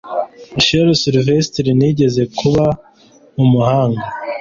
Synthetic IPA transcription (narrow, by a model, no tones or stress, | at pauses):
ʃeɾsiɾvesi̥tiɾiniɟe̞ze̞kʰuβa | umuhaːŋɡa